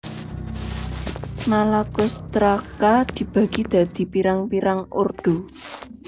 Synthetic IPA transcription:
nalakʊst̪ɾakad̪̥i̤b̥ä̤ɡ̥i̤d̪̥a̤d̪̥i̤piɾaŋpiɾaŋo̰rd̪̥o̤

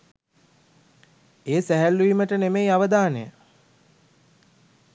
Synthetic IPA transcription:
eːsæɦælːuiməʈənemejaʋəd̪aːnəjə

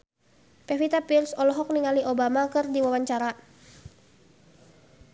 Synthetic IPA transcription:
pɛfit̪apilsɔlɔɦɔk̚niŋaliʔobamakɨrdiwawaɲt͡ʃaɾa

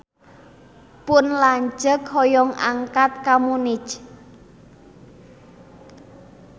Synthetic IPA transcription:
pʊnlaɲd͡ʒəkhɔjɔŋa̰ŋkat̪̚kamunɪt͡ʃ

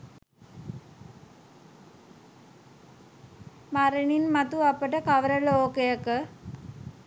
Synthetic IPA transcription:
maɾeɳinmat̪uapəʈəkaʋəɾəloːkəjəkə

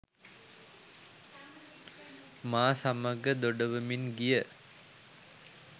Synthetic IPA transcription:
maːsamɐɡɐd̪oɖɐʋɐminɡijə

